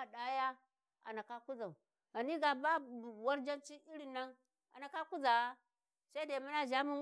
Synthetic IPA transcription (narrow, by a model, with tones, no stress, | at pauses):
a˨ɗa˦ja˦ | a̰˨na˨ka˦ku˦za˨u˨ | a˨ni˦ɡa˨ba˦˨wa˦ɾd͡ʒa˦nt͡ʃi˦i˦ɾi˨na˦ŋ | a̰˨na˨ka˦ku˦za˨wa˦ | sa˦i˦da˨mu˦na˦ʒa˦mu˦